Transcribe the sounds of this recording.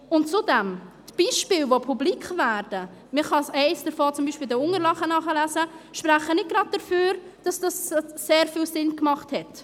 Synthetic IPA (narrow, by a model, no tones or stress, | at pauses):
ʊntt͡sudɛmtb̥iːʃpɪːlvopʰublikχvæːɾd̥ə | mɪχɑsɛɪsd̥əɾfoːt͡sʊmbiʃpiːldəʊŋəɾlɑχənɑχəlæzəʃpɾæχənɪt̚ɡ̥ɾɑd̚d̥əføːɾ | d̥ɑsd̥ɑsːeːɾfiːlsɪnkmɑχthɛt